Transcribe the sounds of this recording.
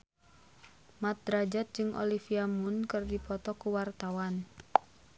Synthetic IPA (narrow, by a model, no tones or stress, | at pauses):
mat̪̚dɾad͡ʒat̪̚d͡ʒɨŋʔo̰lifiamunkɨrdipɔt̪ɔkuwart̪awan